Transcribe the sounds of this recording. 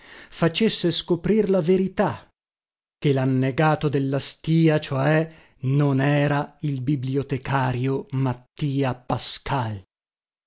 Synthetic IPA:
fat͡ʃesːeskopɾirlaveɾit̪a | k̟ːelanːeɡaːt̪od̪elːast̪iːat͡ʃoɛ | nonɛːɾailbibliot̪ekʰaːɾjomat̪ːiːapaskal

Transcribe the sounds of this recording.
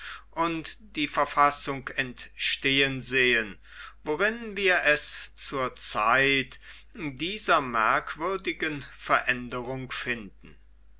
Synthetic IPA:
ʔʊntd̥iːfɛɐfasʊŋkɛntʃteːənzeːən | voʁɪnviːɐʔɛst͡suːɐt͡saɪt | diːzɐmɛɐkv̥ʏɐdɪɡənfɛɐʔɛndəʁʊŋkfɪndn̩

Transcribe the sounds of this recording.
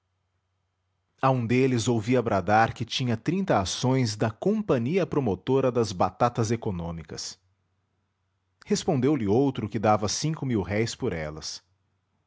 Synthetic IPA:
aũd̪elɪzowviɐbɾad̪aɾkɪt͡ʃĩɲɐt̪ɾĩnt̪ɐasõj̃zd̪ɐkõmpɐ̃ɲiɐpɾomot̪oɾɐd̪ɐzbat̪at̪ɐzekonõmikɐs | hespõnd̪ewlɪowt̪ɾʊkɪd̪avɐsĩkʊmiwɦɛjspoɾɛ̰lɐ̰s

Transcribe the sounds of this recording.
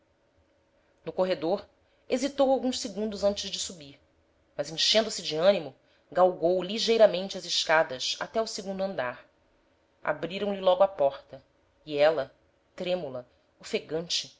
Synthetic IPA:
nʊkoɦed̪oɾ | ezit̪owawɡũssɪɡũnd̪ʊzɐ̃nt͡ʃɪzd͡ʒɪsubiɾ | mɐzẽŋ̃ʃẽnd̪ʊsɪd͡ʒɪɐ̃nimʊ | ɡawɡowliʒejɾɐmẽnt͡ʃɪɐzɪʃkad̪ɐsa̰t̪ɛʊsɪɡũnd̪ʊɐ̃nd̪aɾ | a̰bɾiɾɐ̃w̃lɪlɔɡʊapɔɾt̪ɐ | iɛlɐ | t̪ɾẽmulɐ | ʊfeɡɐ̃nt͡ʃɪ

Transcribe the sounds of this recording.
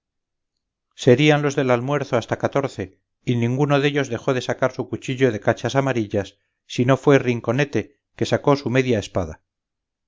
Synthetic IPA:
se̞ɾianlo̞zðe̞lalmwe̞ɾθoast̪akat̪o̞ɾθe̞ | inĩŋɡuno̞ðe̞ʎo̞zðe̞xo̞ðe̞sakaɾsukut͡ʃiʎo̞ð̞e̞kat͡ʃasamaɾiʎasː | ino̞fwe̞riŋko̞ne̞t̪e̞ | ke̞sako̞sume̞ðjaespaða

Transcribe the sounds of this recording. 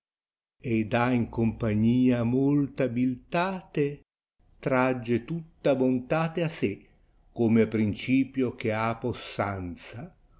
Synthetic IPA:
ed̪aiŋkompaɲːiːamolt̪abilt̪aːt̪e | t̪ɾad͡ʒːet̪ut̪ːabont̪aːt̪easɪ | komeapɾint͡ʃiːpjok̟eaposːant̪sa

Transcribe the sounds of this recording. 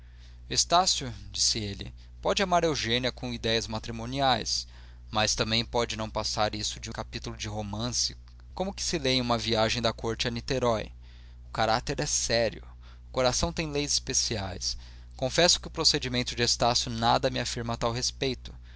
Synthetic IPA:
est̪asjʊd͡ʒisɪelɪ̰ | pɔd͡ʒɪamaɾewʒẽniɐkõw̃id̪ɛjɐzmat̪ɾimõniajs | mɐst̪ɐ̃mbẽj̃pɔd͡ʒɪnɐ̃w̃pasaɾisʊd͡ʒɪũkapit̪ʊlʊd͡ʒɪɦomɐ̃sɪ̥ | kõmʊkɪ̥sɪlej̃ũmɐviaʒẽj̃d̪ɐkoɾt͡ʃɪɛnit̪eɾɔj | ʊkaɾat̪eɾɛsɛɾjʊ | ʊkoɾasɐ̃w̃t̪ẽj̃lejzɪspesia̰js | kõfɛsʊ̥kɪʊpɾosed͡ʒimẽnt̪ʊd͡ʒɪest̪asjʊnad̪ɐmɪafiɾmɐt̪awɦespejt̪ʊ̥

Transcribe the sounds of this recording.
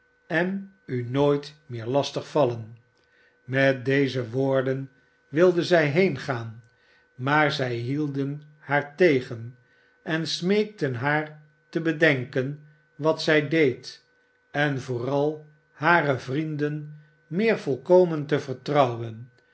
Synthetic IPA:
ɛn | ynoːjtmɪːɹlɑstəχfɑlən | mɛt̚dejzəʋʊːɹdən | ʋɪlˠdəzɛjɦejnχaːn | maːɹzɛjɦilˠdən | haːɹtejχən | ɛnsmejk̚tənɦaːɹ | təbədɛŋkən | ʋɑtsɛjdejt | ɛnvoːrɑlˠ | haːrəvrindən | mɪːɹvɔlˠkowməntəvəɹtrɑwwən

